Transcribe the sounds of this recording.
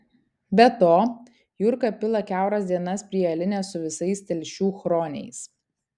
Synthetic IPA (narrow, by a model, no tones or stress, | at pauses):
bʲɛt̪oː | jʊɾkɐpʲɪlˠɐkʲæˑʊɾɐsʲd̪ʲiɛnɐspʲɾʲiɛɐlʲɪnʲɛːsʊʋʲɪsɐɪst̪ʲɛlʲʃʲuːxɾoːnʲɛ̰ɪs